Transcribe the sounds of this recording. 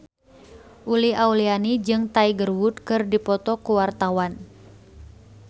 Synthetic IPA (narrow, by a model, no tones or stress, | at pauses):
ʔuliaulianid͡ʒɨŋt̪aiɡərwut̪̚kɨrdipɔt̪ɔkuwart̪awan